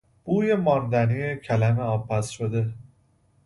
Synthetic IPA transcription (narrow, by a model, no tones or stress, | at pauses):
b̥uːje̞mɒːnd̪æniecʰælæmeɒːb̚pʰːæsʃod̪e̞